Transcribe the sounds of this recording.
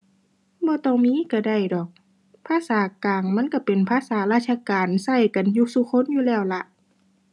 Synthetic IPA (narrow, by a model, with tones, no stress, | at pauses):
bɔː˧˦t̪ɔː˧˩ŋmiː˧˥˨ka˧˩da˧˩jdɔː˨˩k̚ | pʰaː˧˥˨saː˨˦kaː˨˩ŋma˧˥˨nka˧˥˩pe˨˩npʰaː˧˥˨saː˨˦laː˧˩t̪̚sʰa˧kaː˨nsa˧˩jka˨njuː˧su˧˨kʰo˧˥˨njuː˧lɛː˧˩˨wla˧ʔ